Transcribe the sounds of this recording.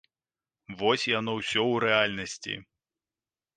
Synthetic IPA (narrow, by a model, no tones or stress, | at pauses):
vɔsʲjanɔwsʲɔwɾɛalʲnɐsʲt͡sʲḭ